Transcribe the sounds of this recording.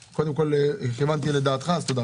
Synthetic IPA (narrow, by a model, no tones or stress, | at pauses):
kod̪emkolχimant̪̬iled̪aːt̪χast̪od̪a